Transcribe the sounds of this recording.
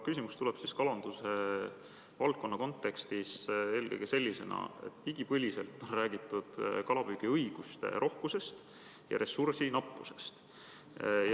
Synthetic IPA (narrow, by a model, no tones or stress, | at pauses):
kysimust̪uleb̥siskɑlɑnd̪̥use̞ | vɑlt̪̚ko̞nːɑko̞nt̪ːˑe̞kst̪ise̞ːlkɤ̰jɡ̥ese̞lʲːise̞nɑ̰e̞̰t̪ːiɡ̥ipɤlʲise̞lt̪ːˑo̞nræːɡit̪ːˑud̪̥kɑlɑb̥yɡ̥iɤjɡ̥ust̪e̞̰ɾʔo̞hkuse̞st̪ | jɑ̰ɾʔe̞sursinɑpːˑuse̞̥st̪ | j